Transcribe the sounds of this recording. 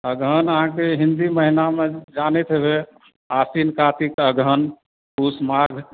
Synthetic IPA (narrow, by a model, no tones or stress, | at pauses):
əɡʱənəɦãkeɦĩnd̪iməɦinamed͡ʒanɛt̪ɦbe | asinkat̪ikəɡʱən | pusmaɡʱ